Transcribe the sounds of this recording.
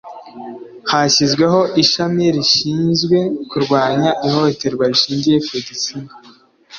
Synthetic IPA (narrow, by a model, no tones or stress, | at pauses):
haɕizɡwe̞ɦo̞ʔiʃamiɾiʃiːnzɡwe̞kuɾɡwaːɲaʔihote̞ɾɡwaɾiʃiːɲɟije̞fedisina